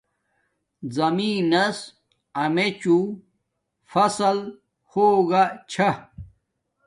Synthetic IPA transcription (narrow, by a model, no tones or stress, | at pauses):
zɐmiːnɐs | ɐmet͡ɕu | fɐsɐl | hoːɡat͡ɕʰɐ